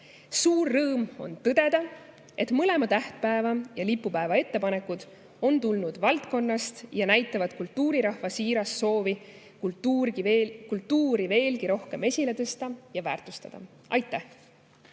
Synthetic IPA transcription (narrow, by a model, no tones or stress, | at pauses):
suːrːɤːmo̞̰nt̪ɤd̪̥e̞d̪̥ɑ | e̞t̪ˑmɤle̞mɑt̪æht̪̚pæevɑjɑlipːupæevɑe̞t̪ːe̞pɑne̞kːud̪̥ | o̞nt̪ulnud̪̥vɑlt̪ko̞nːɑst̪jɑnæjt̪ːˑɑvɑd̪̚kult̪ːuːɾiɾɑhvɑsiːɾɑsːo̞ːvi | k̪ | kult̪ːuːɾive̞ːlɡiɾo̞hke̞me̞sʲile̞t̪ɤst̪ɑjɑvæːrt̪ˑust̪ɑd̪̥ɑ̰ | ʔɑ̰jt̪ːˑæh